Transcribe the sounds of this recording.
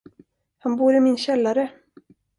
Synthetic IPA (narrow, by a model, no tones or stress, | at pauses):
hanbuːɾɪmɪnɕɛlːaɾə